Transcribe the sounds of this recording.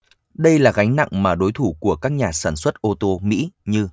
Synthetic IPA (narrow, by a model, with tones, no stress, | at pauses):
ɗə˧jlaː˨˩ɣa˨˦jŋ̟na̰˧˨ŋmaː˨˩ɗo˨˦jt̪ʰu˧˩ku˧˩əkaː˦˥k̚ɲaː˨˩saː˧˩nswə˦˥t̚ʔo˧t̪o˧mḭ˧˥ɲɨ˧